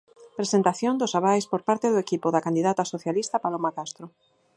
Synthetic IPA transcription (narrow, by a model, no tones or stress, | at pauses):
pɾesent̪aθjond̪ʊsaβ̞ajspoɾpaɾt̪eðoekipoðakand̪iðat̪asoθjalist̪apalomakast̪ɾʊ